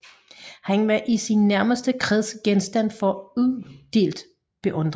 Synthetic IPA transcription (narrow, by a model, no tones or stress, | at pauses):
hæŋʋæʔisinːæɐməsd̥əkʰʁɛðˠsɡ̥ensd̥æn̰fɒ̽uðˠd̥e̝̰ːld̥ | b̥e̝ʔɔ̽nd̥ʁ